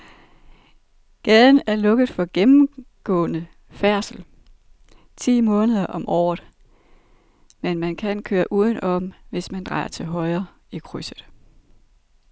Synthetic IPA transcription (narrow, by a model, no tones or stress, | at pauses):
ɡ̥ɛðˠn̩æɐlɔ̽ɡ̥əð̩ˠfɒ̽ɡ̥emm̩ɡ̥ɔ̰̽ːnə | fæɐ̰sl̩ | t͡sʰḭːmɔ̽ːnəðˠɐʔɒ̽mʔɒ̰ːð̩ˠ | menmænkʰænkʰøːɐʔuːð̞ˠən̩ʔɒ̽m̰ʋe̝smænd̥ʁɑ̈ɪ̰ɐt͡sʰe̝lɦɒ̽ɪɐː | ikʰʁysəð̥̩ˠ